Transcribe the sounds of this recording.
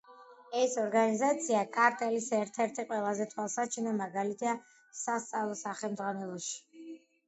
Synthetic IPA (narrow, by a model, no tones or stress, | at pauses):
ɛsɔɾɡanizat̪sʰiakʼaɾt̪ʼɛlisɛɾt̪ʰɛɾt̪ʰiqʼwɛlˠazɛt̪ʰwalˠsat͡ʃʰinamaɡalit̪ʰia | sast̪sʼavlˠɔsaχɛlˠmd̪zʁwanɛlˠɔʃi̥